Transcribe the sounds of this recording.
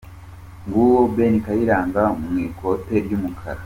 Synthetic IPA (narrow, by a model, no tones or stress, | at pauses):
ŋɡuːwobe̞nikajiɾaːŋɡamŋwiːkʰo̞te̞ɾɟumukʰa̰ɾa